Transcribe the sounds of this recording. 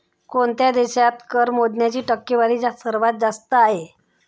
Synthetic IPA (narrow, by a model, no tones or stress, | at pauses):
koɳt̪jad̪eɕat̪kəɾmod̪njat͡ɕiːʈəkːeʋaɾiːd͡ʑasəɾʋat̪̚d͡zast̪əaɦe